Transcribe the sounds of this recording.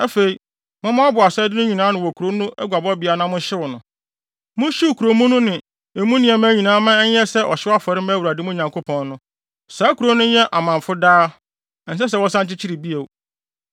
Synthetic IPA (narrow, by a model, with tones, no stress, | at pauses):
ɛ˦fe˨i˨ | mʊ̃˦mã˦a˦bʊ˨a˨sɛ˦dɪ˦nʊ̃˦ɲĩ˨nãː˦nɪ̃˨wɔ˨kʰu˨ɾo˦nʊ̃˦ʔɛ˦ɡʷa˨bɔ˦bɪ˨a˨nã˦mʊ̃˦ɕɪ˦wɔ˨nʊ̃˨ | mʊ̃˦ɕi˦wkʰu˨ɾo˨mũ˦nʊ̃˦nɪ̃˨ | e˨mũ˦nɪ̃˦˨ɛ˨˦mãː˦ɲĩ˨nãː˦mã˦ɛ˦sɛ˦ʔɔ˨ɕɪ˦wa˦fɔ˨ɾɪ˦mãː˦wu˨ɾa˨dɪ˦mʊ̃˦ɲã˨ŋkʰo˦pʰɔ̃˨nnʊ̃˦ | saː˨˦kʰu˨ɾo˦nʊ̃˦jɛ˦ʔa˨mã˨m˨fʊ˦daː˦˨ | n̩˨s̬ɛ˦s̬ɛ˨wɔ˦sã˦ɲt͡ɕɪ˦t͡ɕʰi˦ɾi˨bi˦e˨w